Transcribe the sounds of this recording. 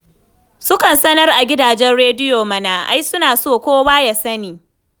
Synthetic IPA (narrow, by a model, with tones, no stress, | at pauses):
sʊ˦kɐ˨nsɐ˦nɐ˦rʔa˨ɡʲɪ˦daː˨d͡ʒɛ˦nɽeː˦dɪ˦joː˨mɐ˦naː˨ʔa̰˦jsʊ˦naː˨soː˦˨kʷoː˦waː˦ja˨sɐ˦niː˨